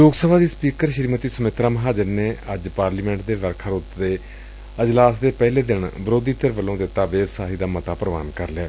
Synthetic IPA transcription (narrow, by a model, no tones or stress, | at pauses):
loːɡsəbʱaːd̪iːspiːkəɾʃɾiːmət̪iːsəmɪt̪ɾaːməɦaːd͡ʒəɾneːəd͡ʒpaːɾliːmɛ̃ɳʈ̚d̪eːʋəɾkʰaːɾoːt̪d̪eː | əd͡ʒlaːsd̪eːpɛːleːd̪ɪɳbəɾoːd̪iːt̪əɾʋəlõːd̪eːt̪aːʋeːɾsaːɦiːd̪aːmət̪aːpɾəʋa̰ːnkəɾlɛː